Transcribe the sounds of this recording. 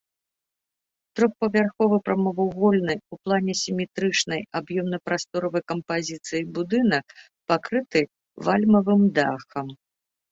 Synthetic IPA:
t̪ɾɔxpɐvʲarxɔvɨpɾɐmɐvuɣɔlʲnɨjuplˠanʲɛsʲimʲɛt̪ɾɨt͡ʂnɐjabjɔmnɐpɾast̪ɔɾɐvɐjkɐmpazʲit̪sɨjibud̪ɨnɐk̚ | pakɾɨt̪ɨ | valʲmɐvɨmd̪axɐm

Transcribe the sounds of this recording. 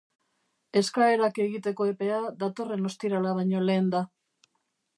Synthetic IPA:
e̞skae̞ɾake̞ɣit̪e̞ko̞e̞pe̞aðat̪o̞re̞no̞st̪iɾalaβ̞ajɲo̞le̞ːnd̪a

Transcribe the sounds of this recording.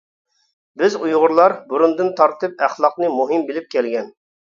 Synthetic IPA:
bɪzujʁʊɾlˠɑɾbuɾund̪ɨnt̪ʰɑɾt̪ɨp̚æχlˠɑq̚nɨmuɦɨmbɪlɪp̚kʲɛlɡʲɛn

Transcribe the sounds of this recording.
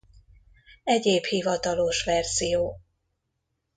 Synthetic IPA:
ɛɟeːbhivɒt̪ɒlo̞ʃʋɛrz̥ijoː

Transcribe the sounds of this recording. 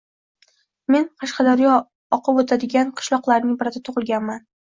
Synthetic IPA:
me̞nqʰɑʃqɑd̪aɾijɒ | ɒqʰɨbot̪ʰad̪ɪɡʲanqʰɨ̥ʃlˠɒqlˠaɾnɪŋbɪɾad̪at̪ʰʊʁɨlˠɡʲanman

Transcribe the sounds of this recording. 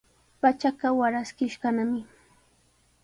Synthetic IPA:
pat͡ʃakɑwaɾaskɪʃɢanamɪ

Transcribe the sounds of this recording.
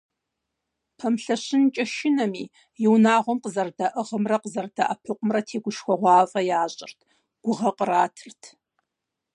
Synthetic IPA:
pʰɐmɬɐɕɪnt͡ʃʼɐʃɪnɐmiː | jɪwnaːʁʷɔmqəzɐrdɐʔɨʁəmrɐqəzɐrdɐʔɐpʰɨqʷʼʊmrɐtʰeːɡʷʊʃxʷɔʁʷɑːfʼɐjaːɕʼɪrtʰ | ɡ̥ʷʊʁɐqəraːtʰɨrtʰ

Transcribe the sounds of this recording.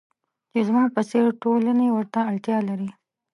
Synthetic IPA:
t͡ʃezmɑpəseɾʈolanewəɾt̪aːɭt̪jɑlaɾi

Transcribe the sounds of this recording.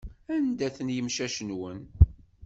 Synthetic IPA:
ænd̪æθənjəmʃæʃənwən

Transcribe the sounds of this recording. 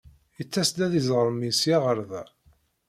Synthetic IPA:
jət͡sːæsd̪æðizˤʁəɾˤmisjɑʁəɾðæ̰

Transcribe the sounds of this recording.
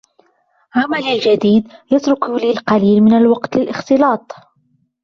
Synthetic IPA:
ʕamalalʒad̪iːd̪jɑt̪ɾʊklilqɑliːlmɪnalwɑqt̪lɪlʔɪxt̪ɨlɑːt̪ˤ

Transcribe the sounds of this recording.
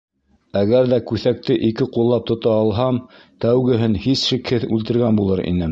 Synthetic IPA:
æɣæɾðækʉθæk̚t̪ɘʔikɘqulˠːɑp̚t̪ŏt̪ɑːlˠɦɑm | t̪æwɡɘ̆ɦɘnhisʃikhɘðʉlt̪ɘ̆ɾɡænbulˠɤɾḭnɘ

